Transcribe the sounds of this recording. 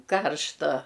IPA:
ˈkɐrʃtɐ

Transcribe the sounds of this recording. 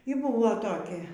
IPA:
iː ˈbʊʋoː toːˈkʲɛ

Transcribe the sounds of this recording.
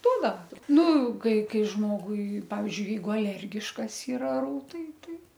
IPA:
ˈduɔdɐʋɐ ˈnʊ ˈkɐɪ ˈkɐɪ ˈʒmoːɡʊɪ ˈpɑːʋʲɪzʲd͡ʒʲʊɪ ˈjɛɪɡʊ ɐˈlʲɛrʲɡʲɪʃkɐs ɪˈrɐ ˈruːtɐɪ ˈtɐɪ

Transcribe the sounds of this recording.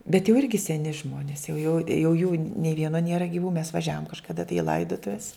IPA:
bʲɛt jɛʊ ˈɪrʲɡʲɪ sʲɛˈnʲɪ ˈʒmoːnʲɪs jɛʊ jɛʊ jɛʊ juː nʲeː ˈʋʲiɛnoː ˈnʲiɛrɐ ɡʲɪˈʋuː mʲɛs ʋɐˈʒʲæːʋoːm kɐʃkɐˈdɐ tɐɪ ɪ ˈlˠɐɪdoːtʊʋʲɛs

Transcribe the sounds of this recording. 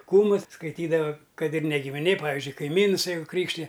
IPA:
ˈkuːmʊs skɐɪˈtʲiːdɐʋɐ ˈkɐt ɪr nʲɛ ɡʲɪmʲɪˈnʲeː pɐˈʋʲɪzʲd͡ʒʲʊɪ kɐɪˈmʲiːns ˈjɛɪɡʊ ˈkrʲiːkʃʲtʲɪjɛ

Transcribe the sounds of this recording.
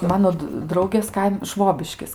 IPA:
ˈmɑːnoː t ˈdrɐʊɡʲeːs ˈkɐɪm ˈʃʋoːbʲɪʃʲkʲɪs

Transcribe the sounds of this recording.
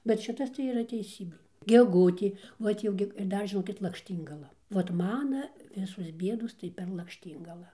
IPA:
bʲɛt ˈʃʲɪtɐs tɐɪ iːˈrɐ tʲɛɪˈsʲiːbʲeː ɡʲɛˈɡʊtʲeː ˈʋɐt jɛʊ ɡʲɪ ɪr ˈdɐr ʒʲɪˈnoːkʲɪt lˠɐkʃʲˈtʲiːŋɡɐlˠɐ ʋɐt ˈmɑːnɐ ˈʋʲɪsoːs ˈbʲiɛdoːs tɐɪ pʲɛr lˠɐkʃʲˈtʲiːŋɡɐlˠɑː

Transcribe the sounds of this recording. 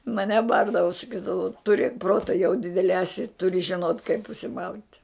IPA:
mɐˈnʲɛ ˈbɐrdɐʋʊ sɐˈkʲiːdɐʋʊ tʊˈrʲeːk ˈproːtɐ jɛʊ ˈdʲɪdʲɛlʲɛ ɛˈsʲɪ tʊrʲɪ ʒʲɪˈnoːt kɐɪp ʊʃʲsʲɪˈmɐʊtʲ

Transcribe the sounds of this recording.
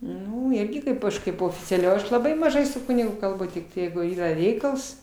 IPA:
ˈnʊ ˈɪrʲɡʲɪ ˈkɐɪp ɐʃ ˈkɐɪp oːfʲɪt͡sʲɛˈlʲɛʊ ˈɐʃ lˠɐˈbɐɪ mɐˈʒɐɪ sʊ ˈkʊnʲɪɡʊ kɐlˠˈbʊ tʲɪk ˈjɛɪɡʊ ˈiːrɐ ˈrʲɛɪkɐlˠs

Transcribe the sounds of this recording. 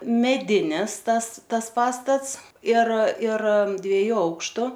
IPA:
mʲɛˈdʲɪnʲɪs ˈtɐs ˈtɐs ˈpɑːstɐts ɪr ɪr dʲʋʲiɛˈjuː ˈɐʊkʃtʊ

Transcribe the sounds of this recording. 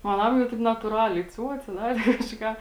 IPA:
oː ɐˈnɐm jɛʊ ˈtɐɪp nɐtuːˈrɑːlʲɛɪ ˈt͡sʲuɔt͡sʲɛ ˈdɑːrʲeː kɐʒʲɪ ˈkɑː

